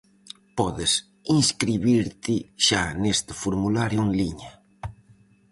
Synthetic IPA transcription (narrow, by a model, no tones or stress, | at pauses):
pɔðɪs | iŋskɾiβiɾt̪ɪʃanest̪ɪfoɾmulaɾjuŋliɲa